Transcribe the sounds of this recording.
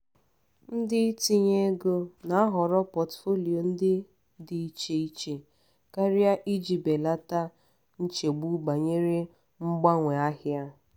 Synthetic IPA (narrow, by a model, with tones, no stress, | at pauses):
n̩˦dɪ˦i˦ti˦ɲe˦ɡo˦na˨a˦ɦɔ˨ɾɔ˦pɔ˨tfo˦li˨o˨n̩˦dɪ˦ | dɪ˨i˦t͡ʃe˦i˦t͡ʃe˨ | ka˦ɾɪ˦a˦ʔi˦d͡ʒi˨be˨la˦ta˦ | n̩˦t͡ʃe˨ɡ͡bu˦ba˨ɲe˦ɾe˦ | ŋ͡m̩˦ɡ͡ba˦ŋʷe˨a˦ɦja˦